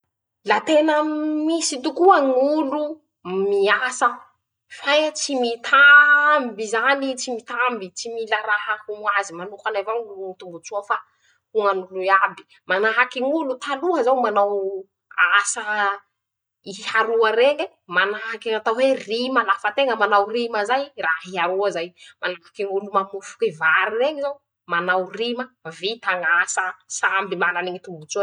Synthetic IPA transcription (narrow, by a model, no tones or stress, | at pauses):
lat̪enəmisit̪ukuaŋulu | miasə | fajt͡simit̪ʰambizanit͡simit̪ambit͡similaɾaɦakumuazimanukanavaŋluŋit̪umbut͡suəfa | huŋanuluabi̥ | manaɦakiŋulut̪aluɦəzawmanaw | asa | ihaɾuəɾeŋe | manaɦakiat̪awwerimalafət̪eŋəmanawriməzajraɦiɦaɾuəzajmanakiŋulumamufu̥kevaɾireŋizaw | manawriməvit̪aŋasəsambimananeŋit̪umbut͡sua